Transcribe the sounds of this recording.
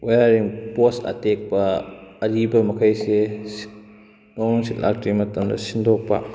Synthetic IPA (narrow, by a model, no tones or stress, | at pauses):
wejaɾiŋposɐ̰tek̚pɐːɾibɐmɐkʰɐjses | nɔŋsitlʔa̰k̚timɐtɐmdɐ̰sindɔk̚pɐ̰